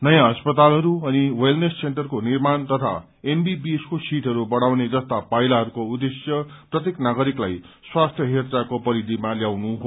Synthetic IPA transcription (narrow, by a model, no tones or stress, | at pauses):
nʌjãʌspʌt̪alɦʌɾuʌniwelnesseɳʈʌrkonirmant̪ʌt̪ʰa̰ | embibieskosiʈɦʌɾubʌɽawned͡zʌst̪apajlaɦʌɾukoud̪esjʌprʌt̪jeknaɡʌɾiklaj | swast̪ʰjʌɦert͡sakopʌɾid̪ʱimaljawnuɦo